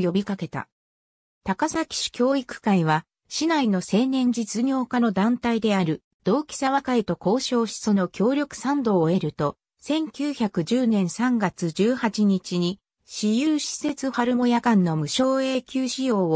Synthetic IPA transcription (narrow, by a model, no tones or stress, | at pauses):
jo̞bʲikake̞t̪a̰ | t̪akasakʲi̥ɕi̥kʲo̞ːikɯ̟̥kaiβ̞a | ɕinaino̞se̞ːnẽ̞ɲ̟d͡ʑit͡sɨɲʲo̞ːkano̞d̪ãnt̪aid̪e̞aɾɯ̟ | d̪̥o̞ːkʲi̥saβakait̪o̞ko̞ːɕo̞ːɕi̥sono̞kʲʰo̞ːɾʲo̞kɯ̟̥sãnd̪o̞ːe̞ɾɯ̟t̪o̞ | sẽ̞ŋkʲɨːçakɯ̟ʑɨːnẽ̞ɰ̃sãŋɡat͡sɨd͡ʑɨːhat͡ɕiɲ̟it͡ɕiɲ̟i | ɕijɯːɕi̥se̞t͡sɨɸaɾɯ̟mo̞jakãnːo̞mɯ̟ɕo̞ːe̞ːkʲɨːɕio̞ː